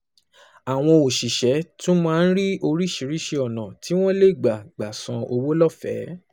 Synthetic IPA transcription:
a˨w̃ɔ̃˧o˨ʃi˨ʃɛ˨˦tũ˦mãː˦˧n̩˦ɾi˦o˧ɾi˦˨ʃi˧ɾi˦ʃe˧ɔ˨nã˨tʰi˨˦w̃ɔ̃˦le˦˨ɡ͡ba˨ɡ͡ba˨sã˧o˧wo˦lɔ˦˨fɛ˨˦

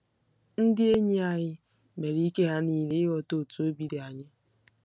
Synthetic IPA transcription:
n̩˦dɪ˦e˦ɲi˦a˨ɲɪ˦ | me˨ɾi˦i˦ke˦ɦa˦niː˨le˦ɔ˨to˦˨tu˨o˦bi˨de˨a˨ɲɪ˦

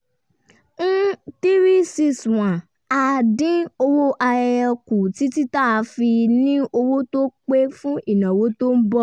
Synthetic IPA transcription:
n̩˦ti˦ɾi˦si˦swã˨ | a˧dĩ˦o˧wo˦ʔa˧ɛ˧ku˨ti˨˦ti˦ta˦˨˧fi˧nĩ˦ʔo˧wo˦to˦k͡pe˦fũ˦ʔi˦˨nã˨wo˨˦to˦m̩˦bɔ˦

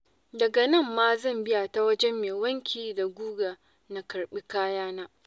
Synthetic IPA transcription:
dɐ˨ɡa˨nɐ˦˨mːaː˦zɐ˦˨mbɪ˦ja˨ta˦wɐ˦d͡ʒɛ˦mːeː˨wɐ˦ŋkʲiː˨da˨ɡʷuː˦ɡaː˨ | na˨kɐ˨rɓi˦kaː˦jaː˦naː˦

